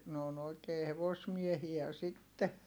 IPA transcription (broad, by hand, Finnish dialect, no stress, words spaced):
n oːn oi̯keː heʋosmiehiæ sitːe